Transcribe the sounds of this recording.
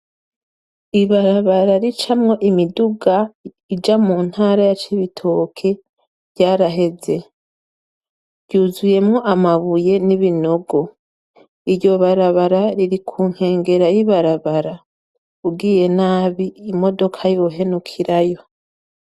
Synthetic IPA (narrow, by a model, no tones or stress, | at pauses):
iβaɾaβaɾaɾit͡ʃamŋo̞ʔimiduɡa | id͡ʒamuːn̥haːɾajat͡ʃiβitʰo̞kʰe̞ | βɟaːɾaɦe̞ze̞ | ɾɟuːzuje̞mŋoʔamaβuje̞niβino̞ɡo̞ | iɾjo̞βaɾaβaɾaɾiɾikʰuːŋ̥he̞ːŋɡe̞ɾajiβaɾaβaɾa | uɡiːje̞naːβiːmo̞do̞kʰajo̞ɦe̞nukʰiɾajo̞